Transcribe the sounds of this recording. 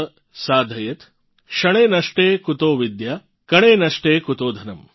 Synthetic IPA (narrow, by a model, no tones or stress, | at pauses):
saːd̪ʱɐjɐt̪ | ʃɐɳeːnɐʂʈeːkut̪oːʋid̪ja | kɐɳeːnɐʂʈeːkut̪oːd̪ʱɐnɐm